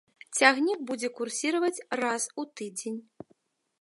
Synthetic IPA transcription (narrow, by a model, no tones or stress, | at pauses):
t͡sʲaɣnʲik̚bud͡zʲɛkursʲiɾɐvɐt͡sʲrasut̪ɨd͡zʲenʲ